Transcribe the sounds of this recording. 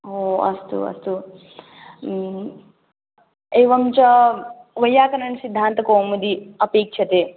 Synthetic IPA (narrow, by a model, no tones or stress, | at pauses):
oːɐ̰st̪ṵɐ̰st̪u | eːʋɐmt͡ʃɐʋɐjːaːkɐnɐɳsid̪ʱːaːnt̪ɐkoːmɐd̪iɐpeːkʂʰɐt̪eː